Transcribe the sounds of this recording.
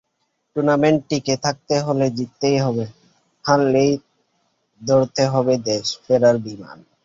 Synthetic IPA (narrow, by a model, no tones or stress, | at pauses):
ʈuɾnameɳʈʈːiket̪ʰak̚t̪eɦoled͡ʑit̪ːejɦɔbe | t̪ʰallej | d̪oɾt̪eɦɔbed̪eʃfeɾaɾbima̰n